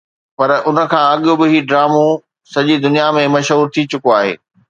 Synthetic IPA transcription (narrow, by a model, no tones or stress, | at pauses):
pɐɾʊnə̆kʰãːɐɠʊ̆bɪɦiːɖɾaːmõ | sɐʄid̪ʊnijamẽmɐʃɦuːɾt̪ʰit͡ɕʊkoaːɦḛː